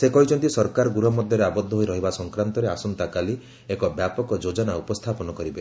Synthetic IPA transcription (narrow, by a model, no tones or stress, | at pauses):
sekɔit͡ʃʰɔnt̪isɔɾkaɾɔɡuɾɔmɔd̪ʱjɔɾeabɔd̪ʱːɔɦojɾɔɦibasɔŋkɾant̪ɔɾeasɔnt̪akali | ekɔbjapɔkɔd͡ʒod͡ʒɔnaupɔst̪ʰapɔnɔkɔɾibe